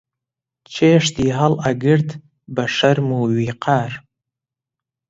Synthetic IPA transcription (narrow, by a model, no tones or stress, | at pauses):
t͡ʃʰeʂtʰiɦalaɡɨrtʰ | baʂarmuwɥiqʰaːr